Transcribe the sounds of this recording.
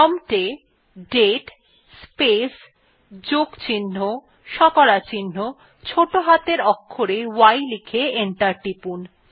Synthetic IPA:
ɔmʈe | ɖeʈ | spes | d͡ʑoɡt͡ɕinːo | ʃɔkɔɽat͡ɕinːo | t͡ɕʰoʈoɦat̪eɾɔkʰːoɾewajlikʰeeɳʈaɾʈipun

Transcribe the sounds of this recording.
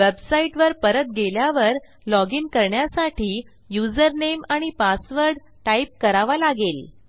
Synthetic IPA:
ʋebsaiʈʋəɾpəɾət̪̚ɡeljaʋəɾ | lɔɡiːnkəɾɳjasaʈʰiː | jud͡zəɾnemaɽ̃ipasʋəɾɖ | ʈaip̚kəɾaʋalaɡel

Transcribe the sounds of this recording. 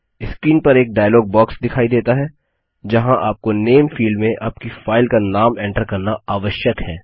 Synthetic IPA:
ɪskɾiːnpɐɾeːk̚ɖaːjəlɔːɡ̚bɔːksd̪ɪkʰaːid̪eːt̪aɦɛː | d͡ʒɐɦãʔaːp̚koneːmfiːlɖmẽʔaːp̚kifaːɪlkanaːmɛ̃ːɳʈəɾkɐɾnaaːʋəʃjəkɦɛː

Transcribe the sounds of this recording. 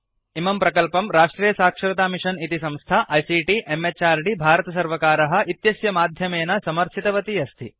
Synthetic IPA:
imɐmpɾɐkɐlpɐmɾaːʂʈɾiːjɐsaːkʂɐɾɐt̪aːmiʂɐnit̪isɐ̃mst̪ʰaʔɐjsiːʈiʔemːet͡ʃaːɾɖibʱaːɾɐt̪ɐs̬ɐɾʋɐkaːɾɐɦɐ̆ʔit̪jɐsjɐmaːd̪ʱjɐmeːnɐsɐmɐɾʃʰit̪ɐʋɐt̪iɐst̪ʰi

